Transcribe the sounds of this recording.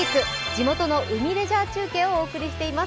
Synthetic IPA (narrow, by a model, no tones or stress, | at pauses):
ikɯ̟d͡ʑimo̞t̪o̞no̞ʔɯ̟mʲiɾe̞ʑaːt͡ɕɨːkẽ̞ːooːkɯ̟ɾʲiɕi̥t̪e̞ima